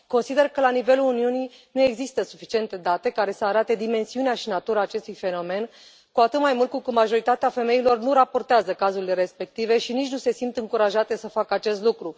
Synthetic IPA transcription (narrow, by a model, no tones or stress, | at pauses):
ko̞nsid̪e̞rkəlanive̞luluniuni | nue̞ɡzist̪əsufit͡ʃie̞nt̪e̞d̪at̪e̞kaɾe̞səaɾat̪e̞d̪ime̞nsiuneaʃinat̪uɾaːt͡ʃe̞st̪ujfe̞no̞me̞n | kuat̪ɨt̪majmult̪̚kukɨt̪maʒo̞ɾit̪at̪eafe̞me̞ilo̞rnuɾapo̞rt̪eazəkazuɾile̞ɾe̞spe̞k̚t̪ive̞ʃinit͡ʃʲnuse̞simt̪ɨŋkuɾaʒat̪e̞səfakəat͡ʃe̞st̪lukɾu